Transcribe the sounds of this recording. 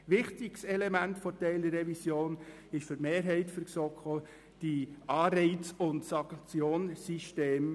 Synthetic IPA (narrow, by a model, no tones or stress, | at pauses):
ʋɪχtɪɡsɛlɛmæntfɔtɛɪldəɾːɛvisjoːn | ɪʃfʏtmeːɾɦɛɪtfəɾsɔkχo | d̥iʔɑːɾɛɪtt͡sʊntsɑŋkt͡sjoːnsiʃteːm